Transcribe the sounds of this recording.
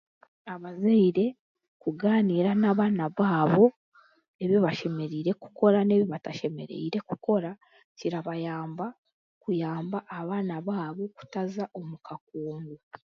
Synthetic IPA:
aβazeiɾe̞ | kuɡaːniːɾanaːβaːnaβaːβo̞ | e̞βiβaʃe̞me̞ɾiːɾe̞ku̥ko̞ɾane̞ːβiβataʃe̞me̞̰ɾḛiɾe̞kuko̞ɾa | ciɾaβajaːmba | kujaːmbaʔːβaːnaβaːβo̞ku̥tazaʔo̞mukʰak̚uːmɡu

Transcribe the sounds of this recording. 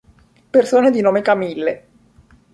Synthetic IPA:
persoːned̪inoːmekamilːe

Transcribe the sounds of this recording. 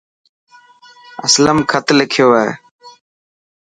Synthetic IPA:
ə̰sləmkʰət̪lɪkʰjoːeḛ

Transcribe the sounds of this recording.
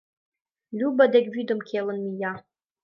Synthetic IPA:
lʲubɐdɐɡʲviːd̪omkʲʰeːlɨnmijaː

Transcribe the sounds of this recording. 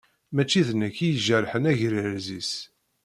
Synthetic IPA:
mæt͡ʃːiðnækːijəʒæɾħənæʝɾiɾzis

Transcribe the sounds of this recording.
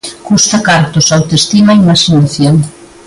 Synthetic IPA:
kust̪ɐkaɾt̪ʊsawt̪est̪imaimɐʃinaθjoŋ

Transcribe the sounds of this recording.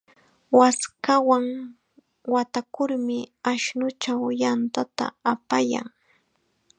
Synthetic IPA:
waskawaŋ | wat̪akʊɾmɪaʃnʊt͡ʃawjant̪at̪a̰apaja̰ŋ

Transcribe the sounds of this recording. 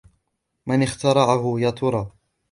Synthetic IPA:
mɪnɪxt̪ɑɾˤɑʕahʊjɑt̪ʰˤʊɾˤɑː

